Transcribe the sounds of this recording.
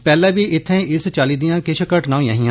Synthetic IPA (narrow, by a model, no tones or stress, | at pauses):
pɛːlãːbiːɪt̪ʰːẽːʔɪst͡ʃaːliːd̪ijãːkɪʃkəʈnãːĩjã̰ːɦɪ̃jãː